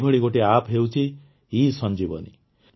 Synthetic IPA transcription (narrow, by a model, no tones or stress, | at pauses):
bʱʌɭiɡoʈeapʰɦewt͡ʃʰi | isʌnd͡ʒibʌ̰nḭ